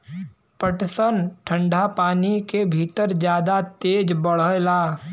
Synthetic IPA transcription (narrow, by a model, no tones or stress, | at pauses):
pəʈsənʈʰə̃ɳɖʱapaːnikebʱiːt̪əɾd͡ʒjaːd̪at̪eːd͡ʒbəɽ̤əlaː